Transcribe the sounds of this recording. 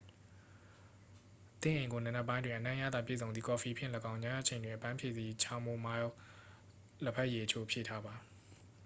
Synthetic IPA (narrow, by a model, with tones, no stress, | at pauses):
t̪ɪ̰̃˦˨ʔẽ˨ɪ̃ŋɡo˨nə̃˨nɛ˦˨pːã˦ɪ̃ndwɪ̃˨ʔənã˦˨ja̰˦˨d̪ða˨pjḛ˦˨zõ˨nd̪i˨kɔ˨fi˨pʰɪ̃˦˨lə˨kã˦ʊ̃ɲa˦a̰˦ʔt͡ɕʰẽ˨ɪ̃ndwɪ̃˨ʔəpã˦pʰjḛ˦˨d̪ḭ˦˨t͡ɕʰã˦ʊ̃mo˦˨ma˦ | lə˦pʰɛ˦ʔje˨ʔət͡ɕʰo̰˦pʰjḛ˦˨tʰa˦ba˨